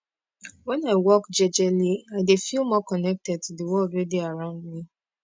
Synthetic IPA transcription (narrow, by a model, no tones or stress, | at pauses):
wɛ̃naɪwɔkd͡ʒɛd͡ʒɛliaɪdefilˠmɔkɔnɛk̚tɛd̚tuðəwɔldɹɛdiaɹãʊ̃ndmi